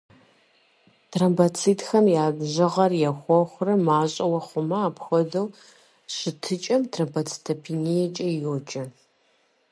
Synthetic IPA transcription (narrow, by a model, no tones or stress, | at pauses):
tʰrɐmbɐt͡sʰiːtxɐmjaːbʑɐʁɐrjɛxʷɔxʷʊrɐmaːɕʼɐwɐχʷʊmɐaːpxʷɔdɐw | ɕɪtʰɨt͡ʃʼɐmtʰrɐmbɐt͡sʰtʰɐpʰiːnijɛt͡ʃʼɐjoːt͡ʃʼɐ